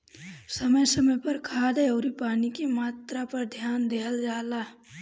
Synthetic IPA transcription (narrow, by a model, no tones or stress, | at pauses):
səməjsəməjpɐɾkʰaːd̪eoːɾipaːnikimaːt̪ɾapɐɾd̪ʱjaːnd̪eɦəld͡ʒaːlaː